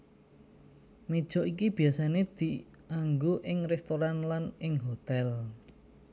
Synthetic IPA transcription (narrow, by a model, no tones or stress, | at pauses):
mid̥ʒ̥ɔ̤ʔikib̥i̤asaned̪̥i | ʔaŋɡoʔɪŋrɛst̪oɾanlanɪŋɦot̪ɛl